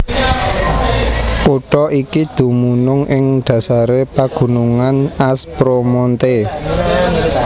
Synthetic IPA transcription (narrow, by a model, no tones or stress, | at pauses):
ʔuɖ̥ɔʔikid̪̥ṳmunʊŋʔɪŋɖ̪̥ä̤saɾepaɡ̥ṳnuŋanaspɾomɔnt̪e